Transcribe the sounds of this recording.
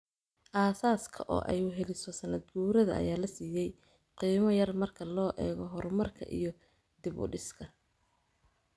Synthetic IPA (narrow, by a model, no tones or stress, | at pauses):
ʔaːsaːskʰɐʔɔ̰ːʔɛ̰jʊɦɛlɪsɔsɐnɐd̪̚ɡuːɾɐðɐ̰ɐ̰jaːlɐsiːjɛj | qiːmɐjɐrmɐrkʰɐlɔːʔɛːɣɔɦɔrmɐrkʰɐ̰ʔḭjɞ | d̪̥ɪβʊ̰ɖɪskʰɐ